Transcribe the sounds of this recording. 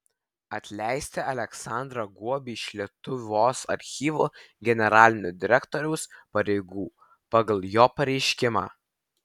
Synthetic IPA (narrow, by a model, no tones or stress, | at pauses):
ɐt̪ʲlʲæˑɪsʲt̪ʲɛɐlʲɛksɑˑnd̪ɾɐɡuɔbʲiːɪʃlʲiɛt̪ʊʋʲoːsɐ̰ɾʲxʲiːʋuː | ɡʲɛnʲɛɾɑːlʲɪnʲʊd̪ʲɪɾʲɛkt̪ɔːɾʲɛʊspɐɾʲɛɪɡuː | pɑɡɐlˠjoːpɐɾʲɛɪʃʲkʲɪmɑ̰ː